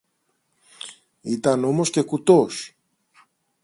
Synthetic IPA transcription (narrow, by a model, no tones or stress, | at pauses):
it̪ɐno̞mo̞sce̞kut̪os